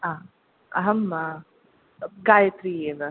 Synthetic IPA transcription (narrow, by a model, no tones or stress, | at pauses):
aː | ɐɦɐmːa | ɡaːjɐt̪ɾieʋɐ